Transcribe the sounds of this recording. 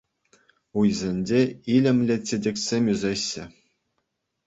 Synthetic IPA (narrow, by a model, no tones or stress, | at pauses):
ujzʲenʲd͡ʑʲeilʲɘ̆mʲlʲet͡ɕʲĕdʲĕkʲsʲemʲyzʲeɕːɘ̆